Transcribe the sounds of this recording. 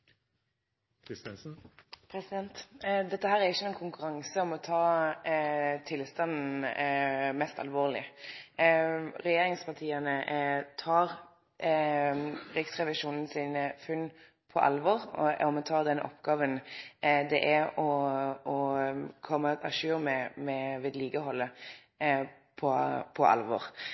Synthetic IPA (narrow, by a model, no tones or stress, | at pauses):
pʰɾɛsɪd̪ɛnt̪d̪ɛt̪ːəɦæːɾæɾɪçːəɛnkʰʊŋkʉɾɑŋsəɔmɔt̪ʰɑː | t̪ʰɪlst̪ɑnn̩ | mɛst̪ɑ̰lʋoːʁlɪ̰ | ɾɛjeːɾɪŋspʰɑʁt̪ʰiːənət̪ʰɑːʁ | ɾɪksʁɛʋɪʃuːnn̩siːnəfʉnː | pʰɔʔɑ̰lʋɔːʁɔmɔt̪ʰɑːd̪ɛnəʔɔpɡ̥ɑːʋənd̪ɛʔæɔɔkʰɔmːəɑʃʉːɾmɛmɛʋɪːd̪liːɡəɦɔlːə | pʰɔpʰɔʔɑ̰lʋɔ̰ːʁ